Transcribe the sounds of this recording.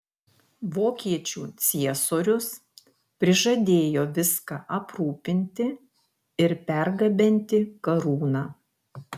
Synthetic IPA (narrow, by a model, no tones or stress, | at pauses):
ʋoːkʲiɛt͡ʃʲṵːt̪sʲiɛsoːɾʲʊs | pʲɾʲɪʒɐd̪ʲeːjoːʋʲɪskɑʔɐpɾuːpʲɪnʲt̪ʲɪ | ɪɾpʲɛɾɡɐbʲɛnʲt̪ʲɪkɐɾuːnɑː